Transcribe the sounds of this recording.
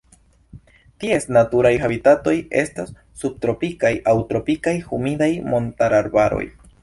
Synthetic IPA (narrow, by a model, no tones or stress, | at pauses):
tie̞snatuɾajxabitato̞je̞̰stasːub̚t̪ɾo̞pikajʔawtɾo̞pikajhumidajmo̞ntaɾaɾbaɾo̞̰j